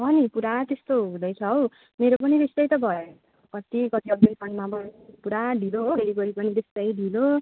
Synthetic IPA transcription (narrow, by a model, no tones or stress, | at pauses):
ɦʌnipuɾat̪est̪oɦũd̪ʌjt͡sʰʌɦow | meɾop̬ʌnit̪est̪ʌjt̪ʌbʱʌjo | kʌt̪ikʌt̪iʌɡ̪̚ʌnkʰʌnmapʌnipuɾaɖʱiloɦobʱeɾipʌɾipʌnid̪est̪ʌjɖʱilo